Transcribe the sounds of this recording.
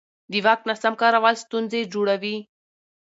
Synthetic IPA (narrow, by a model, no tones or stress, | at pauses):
d̪iwak̪̚nasamkɑɾawɑlst̪unzed͡ʒoɽawi